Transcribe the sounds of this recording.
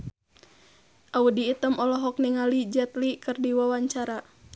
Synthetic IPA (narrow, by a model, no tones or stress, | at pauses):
ʔaudiːt̪əmʔɔlɔɦɔk̚niŋalid͡ʒɛt̪likɨrdiwawaɲt͡ʃaɾa